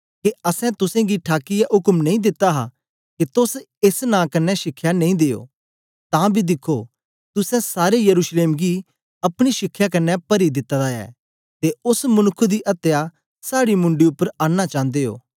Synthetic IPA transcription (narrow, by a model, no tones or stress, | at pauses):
keɐsɛ̃t̪ʊsɛ̃ɡiʈʰaːkɪjaʔʊkmnɐ̃ĩd̪ɪt̪ːaɦa | ket̪ʊs | esnãːkɐnːɛʃɪkʰːjanɐ̃ĩd̪eːo̰ː | t̪ãːbʱid̪ɪkʰːo | t̪ʊsɛ̃saːɾejɐɾuːʃleːmɡi | ɐpɽ̃iʃɪkʰːjakɐnːɛpɐɾid̪ɪt̪ːad̪aɛ̰ː | t̪eʊsmɐnʊkʰːd̪iʔɐt̪ja | saːɽimʊ̃ɳɖiʊpːəɾãːnːat͡ʃãːnd̪eːɦo̰ː